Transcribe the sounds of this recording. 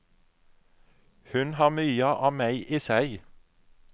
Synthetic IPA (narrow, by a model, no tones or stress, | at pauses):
hʉnhɑːʁmyːəʔɑːmæɪʔiːsæɪ